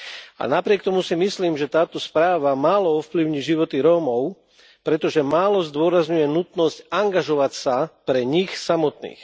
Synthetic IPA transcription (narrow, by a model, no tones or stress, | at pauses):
a̰napɾɪɛk̚t̪ɔmusimisliːmʒɛt̪aːt̪ɔspɾaːʋamaːlɔɔfpliʊɲiʒiʋɔt̪iɾɔːmɔʊ | pɾɛt̪ɔʒɛmaːlɔzd̪ʊɔɾazɲujɛnut̪nɔscaŋɡaʒɔʋacsapɾɛɲixsamɔt̪nḭːx